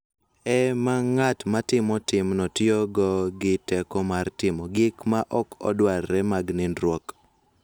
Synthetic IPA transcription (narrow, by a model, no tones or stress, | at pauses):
ɛmaŋatmatɪmɔtɪmnɔtjoɡɔɡɪtɛkɔmartɪmɔɡɪkmaʔɔkɔ̰dwarːɛmaɡnɪnɾwɔk